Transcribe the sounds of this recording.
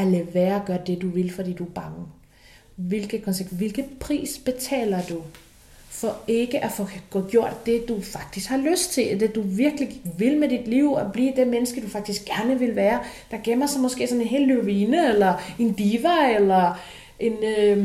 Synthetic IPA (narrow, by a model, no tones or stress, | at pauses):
æleʋæːɐɒɡ̥ɶɐd̥e̝d̥uʋe̝lfɒd̥ḭːd̥ub̥ɑ̈ŋə | ʋe̝lɡ̥ð̩ˠkʰɒ̽nseɡ̥̚d̥ʋe̝lɡ̥ð̩ˠpʰʁḭːsb̥e̝t͡sʰɛ̰ːlɐd̥u | fɒ̽e̝ɡ̥əʔæfɔɡ̥ɔɡ̥jo̝ɐ̰d̥ːe̝d̥ufɑ̈ɡ̥̚d̥isɡ̥hɑ̈løsd̥̚t͡sʰe̝ld̥e̝d̥uʋiɐɡ̥əliʋe̝lmed̥id̥liʊ̰ɒb̥lḭːd̥e̝menəsɡ̥ədufɑ̈ɡ̥d̥isɡ̥æɐnəʋe̝lʋæːɐ | d̥ɑ̈ɡ̥emɐsɒ̽mɒ̽sɡ̥e̝̰ːsɒ̽ne̝nɦe̝̰ːlːyʋiːnəelɐe̝nd̥iːʋɐelɐ | ʔe̝nø